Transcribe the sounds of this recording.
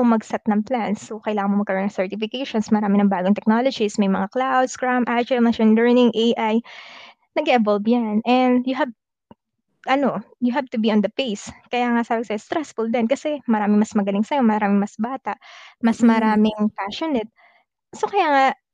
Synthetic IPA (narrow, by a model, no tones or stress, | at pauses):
omɐɡsɐt̪̚nɐŋplansːokɐjlaːŋɐnmomɐɡkɐɾonːɐŋsɛɹt̪ɪfɪkejʃonsmɐɾaːmɪnɐŋbaːɡoŋt̪ɛk̚nolod͡ʒismɐjmɐŋaklawd̪skɹamʔat͡ʃɛmɐʃɐnlɛɹnɪŋʔejʔaj | nɐɡɛʔɛvolbjanʔɛnd̪jʊɦav̚ | ʔɐno̞jʊɦav̚t̪ʊbiʔɔnd̪ɐpejskɐjaːŋɐʔsaːbɪsɐjost̪ɾɛsfuld̪ɛnkɐsɛmɐɾaːmɪŋmɐsmɐɡɐlɪŋsɐjo̞mɐɾaːmɪŋmɐsbaːt̪ɐʔmɐsmɐɾaːmɪŋpaʃonɛt̪̚ | sokɐjaːŋa